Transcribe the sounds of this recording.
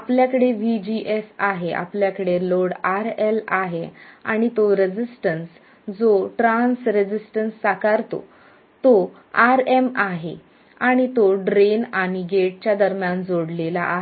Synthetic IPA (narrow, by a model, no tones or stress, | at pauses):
apljakəɽeʋid͡ʑiʔesaɦeʔa̰pljakəɽeloɽaɾelaɦea̰ɽ̃it̪oɾed͡ʑisʈəns | d͡zoʈɾãnsɾed͡ʑisʈənsːakaɾt̪o̰ | t̪o | aɾemaɦe | aɽ̃it̪oɖɾenaɽ̃iɡeʈ̚t͡ɕjad̪əɾmjand͡zoɽlelaʔaɦe